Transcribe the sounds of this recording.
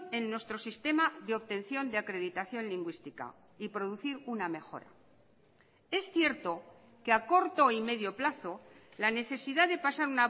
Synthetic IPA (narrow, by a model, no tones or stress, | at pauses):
e̞nːwe̞st̪ɾo̞sist̪e̞maðeo̞βt̪e̞n̟θjo̞nd̪eakɾe̞ðit̪aθjo̞nliŋɡwist̪ika̰ | ipɾo̞ðuθiɾuname̞xo̞̰ɾa̰ | e̞sθje̞ɾt̪o̞ | keako̞ɾt̪o̞ime̞ðjo̞plaθo̞ | lane̞θe̞siðaðe̞pasaɾuna